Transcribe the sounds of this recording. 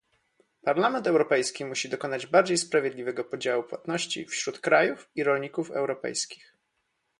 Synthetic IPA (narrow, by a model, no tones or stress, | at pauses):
paɾlamɛnt̪ɛwɾɔpɛjskʲimuɕid̪ɔkɔnad͡ʑbaɾd͡ʑejspɾavʲjed̪lʲivɛɡɔpɔd͡ʑawupwa̰t̪nɔɕt͡ɕḭfɕɾut̪kɾajufiɾɔlɲikufɛ̰wɾɔpɛ̰jskʲi̥x